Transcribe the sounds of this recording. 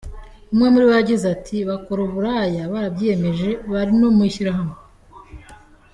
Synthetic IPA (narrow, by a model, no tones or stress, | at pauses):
umŋemuɾiweaɟizatʰiβakoɾuβuɾajaβaɾabje̞me̞ʒe̞βaɾino̞miʃiɾaɦame